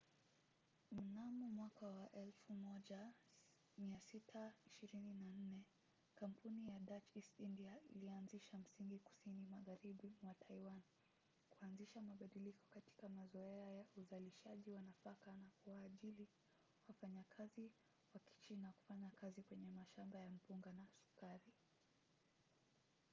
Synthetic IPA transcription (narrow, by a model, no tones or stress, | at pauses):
m̩namɔmwakawaʔɛlfumɔʄa | miasitʰaiʃiɾininan̩nɛ | kampunijaɗat͡ʃistindiailianziʃam̩siŋɡiku̥sinimaɣaɾiɓuwatʰaiwan | kuanziʃamaɓaɗilikɔ̥kati̥kamazɔɛajauzaliʃaʄiwanafakanakuwaːʄili | wafaɲakʰazi | waki̥t͡ʃinaku̥faɲakʰazikwɛɲɛmaʃambajam̩puŋɡanasu̥kaɾi